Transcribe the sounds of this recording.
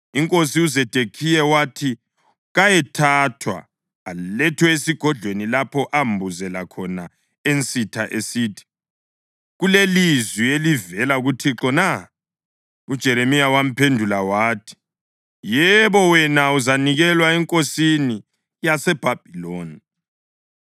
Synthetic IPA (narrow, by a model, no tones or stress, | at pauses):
iŋkʼosiuzɛd̥ʱekʰijɛwatʰi | ɣajɛtʰatʰwa̰ː | llɛtʰwɛesiɡ̥ʱɔdɮʱwenilapʰɔʔambʱuzɛlakʰɔna | ent͡sʼitʰaʔesiːtʰi̥ | ɣulelizwielivɛlaɣutʰiǁɔna | ud̥ʒ̥ʱɛɾemijawam̩pʰendʱulawaːtʰi̥ | jɛβɔwɛnauzaniɣɛlwaɛŋkʼosini | jasɛb̥ʱab̥ʱiloːni